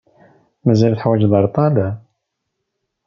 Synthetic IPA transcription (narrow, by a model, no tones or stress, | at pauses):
mæzælθəħwæd͡ʒðɑɾˤt̪ˤɑlæ